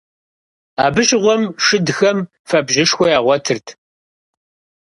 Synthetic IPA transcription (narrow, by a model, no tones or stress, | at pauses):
aːbɨɕʁʷɔmʂɨdxɐm | fɐbʒɪʂxʷɔjaːʁʷɔtʰɨrtʰ